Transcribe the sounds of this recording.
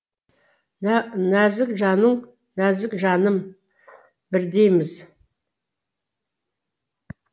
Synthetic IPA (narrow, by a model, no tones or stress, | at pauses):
næzɪkʒɑnəɴ | næzɪkʒɑnəm | bɪɾd̪ejmɪz